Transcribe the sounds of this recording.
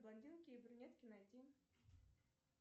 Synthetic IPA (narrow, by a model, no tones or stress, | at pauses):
blˠɐnʲd̪ʲilˠkʲɪːbɾʲʊnʲet̪kʲɪnɐd̪ʲin